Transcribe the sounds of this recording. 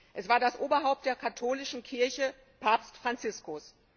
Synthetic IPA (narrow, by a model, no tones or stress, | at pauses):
ʔɛsv̥aːɐdasʔoːbɐɦaʊp̚t̚d̥eːɐkʰatʰoːlɪʃn̩kʰɪɐçə | pʰaːpstfʁ̥ant͡sɪskʊs